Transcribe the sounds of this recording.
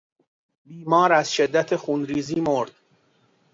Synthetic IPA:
biːmɒːɾæzʃe̞d̪ːæt̪ʰexuːnɾiːziːmoɾd̪̥

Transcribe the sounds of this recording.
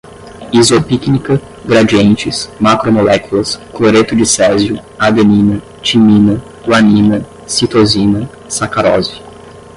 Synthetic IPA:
izopiknikɐ | ɡɾad͡ʒiẽnt͡ʃɪsmakɾomolɛkulɐskloɾet̪ʊd͡ʒɪsɛɾziʊad̪enĩnɐ | t͡ʃimĩnɐ | ɡwanĩnɐ | sit̪ozĩnɐ | sakaɾɔzi

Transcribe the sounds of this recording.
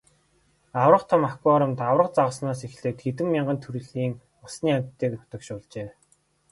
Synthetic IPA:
awrə̆qt̪ʰamakːɔɾə̆mt̪awrə̆q̚t͡saʁə̆snaːsexɮeːt̪xet̪ɘ̆mːʲiɴɢə̆nt̪ʰuɾɘ̆ɮiːŋ | ʊsniːam̥ʲt̪ʰːeːk̪ʊ̥t̪ɞ̆kʃʊːɮt͡ɕeː

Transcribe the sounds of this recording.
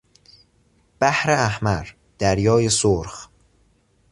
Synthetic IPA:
b̥æhɾeæhmæɾ | d̪̥æɾjɒːjesoɾχ

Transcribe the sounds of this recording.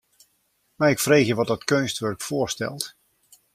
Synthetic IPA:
maɪkfreːxjəʋɔt̚dɔtkønstʋørkfʊərstɛ̰lˠt

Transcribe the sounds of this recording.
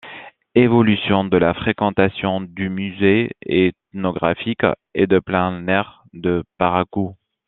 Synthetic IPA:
evɔlysjɔ̃d̪əlafχekɑ̃t̪asjɔ̃d̪ymyzeet̪nɔɡʁafik | ḛd̪əplɛ̃nɛʁ | d̪əpaʁaku

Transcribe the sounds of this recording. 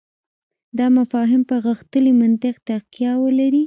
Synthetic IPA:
d̪ɑmafɑɦɪmpəɣəxt̪əlimant̪ɪqt̪aqjɑwəlaɾi

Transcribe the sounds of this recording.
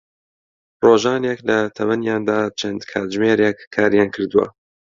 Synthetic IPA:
roːʒɑːneklɐt̪ʰɐwɐnjɑːnd̪aːt͡ʃʰɐnd̪kʰaːt̪ʒmeːɾekʰːaːɾjɑːnkʰɨɾd̪uwɐ̰

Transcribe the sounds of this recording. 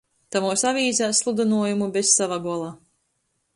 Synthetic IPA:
t̪amuːsavʲiːzʲæːsslˠud̪anuɔjumubessavaɡuɔlˠaː

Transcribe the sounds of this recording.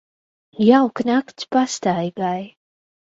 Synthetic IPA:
jawknakt̪spast̪ajɡaj

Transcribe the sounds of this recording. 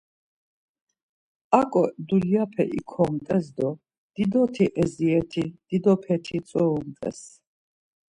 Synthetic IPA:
akʼɔd̪uljapʰɛ̰ʔḭkʰɔmt̪ʼɛzd̪ɔ | d̪̥id̪ɔt̪ʰiʔɛziɛt̪ʰid̪̥id̪ɔpʰɛt̪ʰisʼɔumt̪ʼɛ̰s

